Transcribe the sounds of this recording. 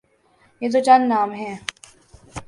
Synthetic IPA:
jet̪̬ot͡ʃɐnnãːmɦɛ̃ː

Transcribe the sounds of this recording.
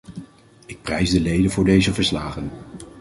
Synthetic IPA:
ɪk̚prɛjzdəlejdənvʊːɹdejzəvəɹslaːχən

